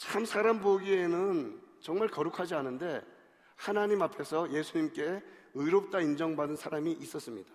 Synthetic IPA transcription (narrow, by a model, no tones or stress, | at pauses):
t͡ɕʰamsʰaɾamboɡie̞nɯnt͡ɕʌŋmaɭkʌɾukʰad͡ʑianɯnde̞ | hanaɲimapʰe̞sʰʌje̞sʰuɲimk͈e̞ɯjɾop̚t͈aind͡ʑʌŋbadɯnsʰaɾamiʔis͈ʌs͈ɯmɲid̥ḁ